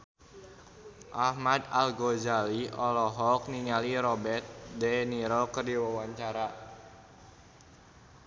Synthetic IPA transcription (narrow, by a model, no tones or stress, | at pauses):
ʔahmad̪alɡozaliɔlɔɦɔk̚niŋaliɾɔbɛrt̪̚dɛniɾɔkərdiwawaɲt͡ʃaɾa